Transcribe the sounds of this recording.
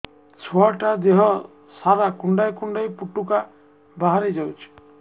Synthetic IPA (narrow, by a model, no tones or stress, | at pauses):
t͡ʃʰɔaʈad̪eɦɔ | saɾakuɳɖajkuɳɖajpuʈuka | baɦaɾed͡ʒawt͡ʃʰi̥